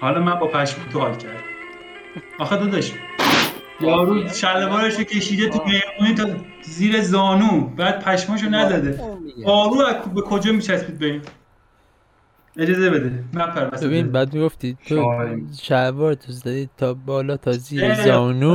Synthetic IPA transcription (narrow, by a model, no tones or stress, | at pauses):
hɒːlɒːmænbɒːpʰæʃmut̪ʰohɒːlcʰæɾd̪ | ɒxed̪od̪ɒʃi | jɒːɾuːʃævɒːɾeʃocʰe̞ʃiːd̪et̪ʰumejmuːniːt̪ʰɒ | ziːɾezɒːnuːbæːd̪̥̚pʰæʃmɔːʃ̬onæzæd̪eɒːɾuːækbekʰo̞d͡ʒɒːmiːt͡ʃʰæspiːd̪̚beiːn | e̞d͡ʒɒːzebe̞d̪emæmpʰæɾvæsbeβbinbæːd̪̚miɡoft̪it̪ʰoʃævɒːɾt̪ʰozæd̪iːt̪ʰɒːbɒːlɒːt̪ʰɒziːeɒːnu